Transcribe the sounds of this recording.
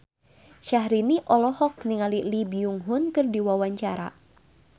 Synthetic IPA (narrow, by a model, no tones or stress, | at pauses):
ʃaɦɾiniʔɔlɔhɔk̚niŋalilibiuŋɦʊnkɨrdiwawaɲt͡ʃaɾa̰